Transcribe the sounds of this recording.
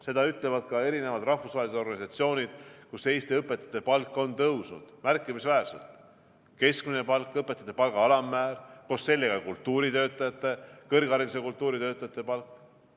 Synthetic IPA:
se̞d̪ɑyt̪ˑle̞vɑd̪̥̚kɑe̞ɾine̞vɑd̪̥rɑhfusvɑːɦelise̥o̞rɡɑnʲisɑt̪sio̞ːnʲid̪̥̚kuse̞ːst̪iɤpːˑet̪ːˑɑ̥t̪ːe̞pɑlkˑːo̞nt̪ɤwsnṵd̪̥mærkˑːimisvæːrsḛlt̪ | ke̞skminepɑlkːˑɤpːˑet̪ːˑɑ̥t̪ːˑe̞pɑlɡɑɑlɑmːæːɾko̞sːe̞lʲːeɡɑkult̪ːuːɾit̪ø̞ːt̪ːˑɑjɑt̪ːˑe̞kɤrɡɑɾinis̬ekult̪ːˑuːɾit̪ø̞ːt̪ːˑɑjɑt̪ˑːe̞pɑlkːˑ

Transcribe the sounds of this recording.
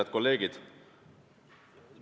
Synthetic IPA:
ɑd̪̥ko̞lːe̞ːɡid̪̥

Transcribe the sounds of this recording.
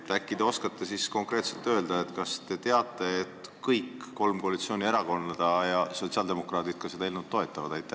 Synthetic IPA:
t̪ækːˑid̪eo̞skɑt̪ːesisko̞ŋkɾeːt̪se̞lt̪ːø̞ːld̪̥ɑet̪kɑst̪e̞t̪e̞ɑt̪ːˑe̞ːt̪kɤjkːo̞lmko̞ɑlit̪sio̞ːnʲie̞ɾɑko̞nːɑd̪̥ɑjɑso̞tsiɑld̪e̞mo̞krɑːt̪it̪̚kɑse̞d̪ɑilmut̪ːo̞e̞t̪ːˑɑvɑd̪ɑjt̪ːˑæ

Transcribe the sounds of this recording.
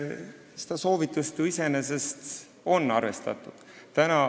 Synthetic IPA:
se̥d̪̥ɑso̞ːvit̪ːˑust̪uise̞ne̞se̞st̪ | o̞nːɑrve̞̰st̪ɑ̰t̪ːˑud̪̥t̪ænɑ

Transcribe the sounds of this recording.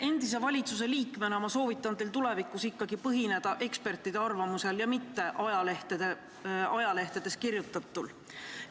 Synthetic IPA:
e̞nd̪̥is̬e̞vɑlʲit̪sus̬e̞liːkmeneomɑso̞ːvit̪ːˑɑnd̪elt̪ule̞vikːˑusikːɑɡipɤɦine̞d̪̥ɑʔe̞kspe̞rt̪ːˑid̪̥e̞ɑrvɑmuse̞ljɑmit̪ːe̞ʔɑjɑleht̪ed̪e | ɑjɑle̞ht̪ed̪̥e̞skirjut̪ːˑɑt̪ːˑul

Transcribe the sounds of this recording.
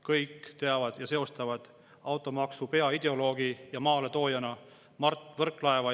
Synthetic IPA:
kɤjkːt̪e̞ɑvɑd̪̥jɑse̞o̞st̪ɑvɑd̪̥ | ɑwt̪ˑo̞mɑksupe̞ɑid̪̥e̞o̞lo̞ːɡ̥ijɑmɑːle̞t̪o̞ːjɑnɑ | mɑrt̪ːvɤrkˑlɑe̞vɑ

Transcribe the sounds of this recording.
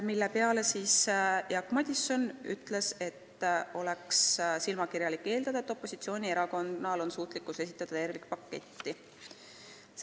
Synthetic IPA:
milːe̞pe̞ɑle̞siːsjɑkmɑd̪ʲisːo̞ny̰t̪ːˑle̞se̞t̪ːo̞lekssilmɑkirjɑlikːe̞ːld̪̥ɑd̪ɑe̞t̪ːˑo̞pːo̞sit̪sio̞ːnʲieɾɑko̞nːɑlo̞nsuːt̪likːˑuse̞s̬i̥t̪ːˑɑd̪̥ɑt̪e̞rvikpɑkːe̞̰t̪ʲːi

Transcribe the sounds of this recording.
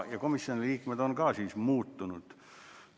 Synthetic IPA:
jɑkomisːjonliːkmet̪onkɑːsiːsmuːt̪ːunut̪

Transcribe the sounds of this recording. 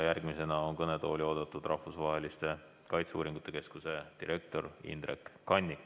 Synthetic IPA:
jærɡ̥mise̞nɑonkɤne̞t̪oːlʲio̞ːd̪̥ɑt̪ːˑud̪̥rʔɑhfusvɑɦe̞list̪e̞ | kɑjt̪seuːɾiŋɡ̥ut̪ːˑe̞ke̞skuse̞d̪̥iɾʔe̞k̚t̪o̞rḭnd̪ɾḛkːɑnʲːik

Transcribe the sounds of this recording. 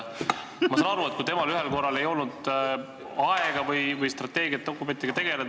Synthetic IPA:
mɑsenɑɑɾuet̪̚kujt̪emɑlyɦelko̞rːɑle̞jo̞lnud̪ | ɑeɡ̥ɑvɯjvɯjst̪rɑt̪ːˑe̞ːɡijɑt̪̚d̥̪o̞kːˑume̞nt̪ːiɡ̥ɑt̪e̞ɡ̥e̞le

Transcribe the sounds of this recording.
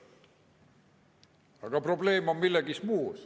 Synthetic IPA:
ɑɡ̥ɑpro̞ble̞ːmommilːeɡismuː

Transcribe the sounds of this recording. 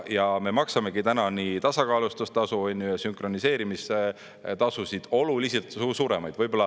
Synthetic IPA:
jɑme̞mɑksɑme̞ɡit̪ænɑnit̪ɑsɑkɑːlust̪ust̪ɑsuonʲːjujɑsyŋkro̞nise̞ːɾimise | t̪ɑsusid̪̥o̞luliselt̪usuːɾe̞mɑjd̥̪vɤjb̥olːɑ

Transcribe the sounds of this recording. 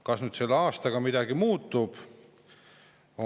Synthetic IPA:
kɑsnyd̪se̞lːeɑːst̪ɑɡ̥ɑmid̪̥ɑɡimuːt̪ːˑub̥ | o

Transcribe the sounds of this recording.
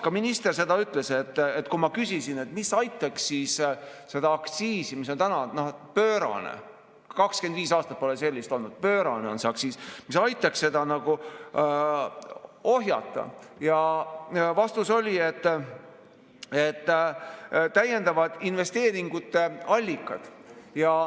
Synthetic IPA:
kɑminist̪e̞rse̞d̪ɑyt̪ːˑle̞se̞t̪ːet̪kumɑkysisine̞t̪misɑjt̪ːˑɑksːiːsse̞d̪ɑɑkt̪siːsimiso̞nt̪ænɑnopøːɾɑ̰nḛ | kɑkskend̪viːsɑːst̪ɑt̪̚po̞lese̞lʲːist̪o̞lnud̪̥pøːɾɑneo̞nseɑksiːsmisɑjt̪ːˑɑksse̞d̪̥ɑnɑɡ̥u | oɦjɑ̰t̪ˑːɑ̰jɑ | vɑst̪uso̞lʲie̞t̪ːˑ | e̞t̪ːˑ | t̪ːæje̞nd̪ɑvɑd̪̥inve̞st̪e̞ːɾiŋɡ̥ut̪ːe̞ɑlʲːikːˑɑd̪̥jɑ

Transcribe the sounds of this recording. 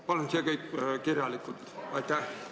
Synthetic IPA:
pɑlunsekɤjkːkirjɑlikːˑult̪ɑjt̪ːæh

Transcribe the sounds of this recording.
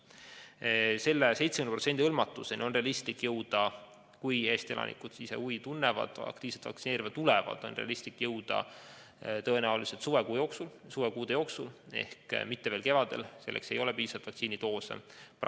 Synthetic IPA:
se̞lːese̞jt̪semynprot̪se̞nd̪ihɤlmɑt̪ːˑuse̞nio̞nre̞ɑlist̪likjɤwd̪̥ɑ | kujeːst̪e̞lʔɑ̰nḭkud̪̥sisḛujt̪unːevɑ̰d̪̥ɑ̰kt̪iːse̥t̪vɑ̰kt̪sineːɾivɑd̪t̪ːulɛvɑ̰d̪̥o̞̰nreɑ̰list̪ikːˑjɤwd̪̥ɑ̰ | t̪ɤ̞e̞næulise̞lt̪suvekujoksulsuvekuːd̪̥ejo̞ːksule̞̰hkmit̪ːe̞veːlke̞vɑd̪̥e̞̰lse̞lːḛkse̞jo̞lepiːsɑvɑt̪vɑkt̪siːnit̪o̞ːsḛp

